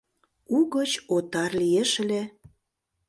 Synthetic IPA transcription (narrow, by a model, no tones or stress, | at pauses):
uɣət͡ɕot̪ɑrlijeʃə̆le